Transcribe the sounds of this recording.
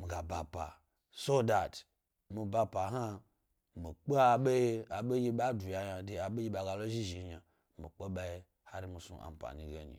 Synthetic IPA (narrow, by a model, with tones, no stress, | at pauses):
mi˨ɡa˨ba˨pa̰˨ | so˦da˨t | mi˨ba˧pa˨ɦa˦ | mi˨k͡po˦a˨ɓe˦je˦a˨ɓe˦ji˦ɓa˦du˨ja˨ɲa˨de˨a˨ɓe˦ji˦ɓa˨ɡa˨lo˦ʒi˦ʒi˨˦ɲa˨ | mi˨k͡pe˦ɓa˦je˦ | ha˦ɾi˦mi˨sṵ˦ʔa̰˨m̩˨pa̰˨ɲi˨ɡe˨ɲḭ˨